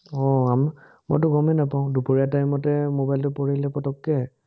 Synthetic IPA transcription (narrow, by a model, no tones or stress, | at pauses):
ɔam | mɔ̰jt̬ʊɡɔmɛnapaʊ̃dupoɹiatamɔtɛmobajltʊpɔɹilɛpɔtɔkːɛ